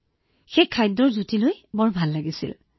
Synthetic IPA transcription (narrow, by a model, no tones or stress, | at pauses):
xekʰːajdɔɹzutilojbɔɹbʱalːaɡisḭl